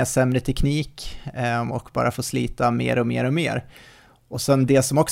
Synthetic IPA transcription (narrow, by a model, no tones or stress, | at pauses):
asɛmːɾət̪ʰɛkʰniːk | ɔkbɑ̰ːɾʔafoːsliːt̪amḛːɾɔmḛːɾɔmeːɾ | ʔɔsɛnd̪ɛsɔmɔks